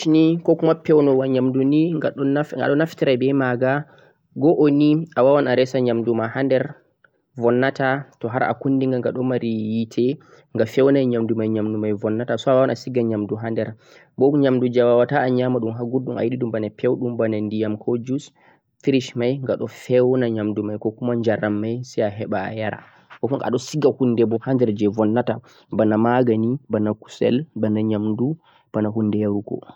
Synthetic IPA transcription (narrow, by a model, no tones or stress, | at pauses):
nikɔkumapːɛwnɔwaɲamduniaɔɡa̰ɗɔnaftiɾajbɛmaɡa | ɡɔʔoniawawanaɾɛsaɲamdumahandɛɾ | vɔnːatatɔɦaɾʔa̰kundiŋɡaŋɡaɗɔmaɾijitʰɛ | ŋɡafɛwnajɲamdumajɲamdumajvɔnːatasɔawawanasiɡaɲamduɦandɛɾ | bɔɲamdud͡ʒawawataːɲamaɗumɦaɡuɾɗuma̰jiɗiɗumbanapʰɛwɗumbanandijamkʰɔd͡ʒus | fiɾiʃmajŋɡaɗɔfɛwnaɲamdumajkɔkumaɲd͡ʒaɾːamːajsiaɦɛɓaːjaɾa̰ | kɔkɔŋa̰ɗɔsiɡahundɛbɔhandɛɾd͡ʒɛvɔnːata | banamaɡanibanaku̥sɛ̰lbanaɲamdu | b̥anaɦunːdɛaɾuɡɔ̰